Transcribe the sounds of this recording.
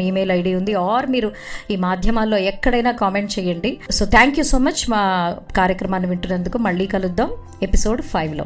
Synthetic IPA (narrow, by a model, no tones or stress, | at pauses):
iːmeːlɐjɖiːund̪iaːɾmiːɾu | iːmaːd̪ʱjɐmaːlːo̞ːɛkːɐɽɐjnaːkaːme̞ɳʈt͡ʃɛːjɐɳɖiso̞ːt̪ʰaːŋkjuːso̞ːmɐt͡ʃːmaːkaːɾjɐkɾɐmaːniʋiɳʈunːɐnd̪ukumɐɭːiːkɐlud̪ːaːm | e̞piso̞ːɖpʰɐjʋloː